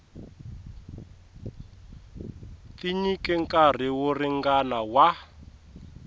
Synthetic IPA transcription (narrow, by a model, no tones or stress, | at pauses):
t̪iɲikɛŋkʼar̤iworiŋɡanawa